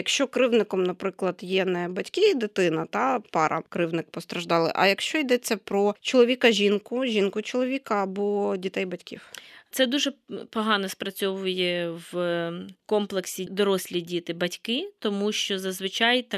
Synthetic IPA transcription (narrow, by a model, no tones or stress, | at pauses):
jɐkʃt͡ʃɔkɾɪwnɪkɔmnɐpɾɪklˠɐd̪jɛnɛbɐtʲkɪd̪ɪt̪ɪnɐt̪ɑpɑɾʔɐ̰kɾɪwnɪk̚pɔst̪ɾɐʒd̪ɑlˠɪ̰ʔɐ̰jɐkʃt͡ʃɔjd̪ɛt͡sʲːɐpɾɔt͡ʃɔlˠɔʋʲikɐʒʲinkʊʒʲinkʊt͡ʃɔlˠɔʋʲikɐːbɔdʲit̪ɛjbɐtʲkʲḭwt̪sɛd̪uʒɛpɔɦɑnɔspɾɐt͡sʲɔʋʊjɛʋ | kɔmplˠeksʲid̪ɔɾɔsʲlʲidʲit̪ɪbɐtʲkɪt̪ɔmuʃt͡ʃɔzɐzʋɪt͡ʃɑjt̪ɐ